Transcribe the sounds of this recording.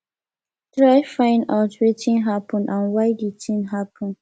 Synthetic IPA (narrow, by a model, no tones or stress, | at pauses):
tɹajfãɪ̃ndaʊtwetʰĩnɦapʰə̃nãnwaɪditĩnɦapʰə̃n